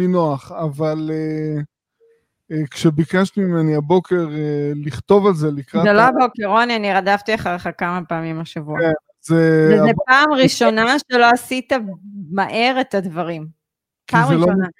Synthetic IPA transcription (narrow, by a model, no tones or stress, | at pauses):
tinoaχavale | kʃebikaʃtimimeniabo̞ke̞ʁeliχt̪o̞valzelikʁazeloabokeʁo̞nianiʁadaftiaχaʁeχakamapaːmimaʃavuaenazeezepaːmʁiʃo̞naʃelo̞asitamaʔe̞ʁetadvaʁim | pkazmʁeilʃoona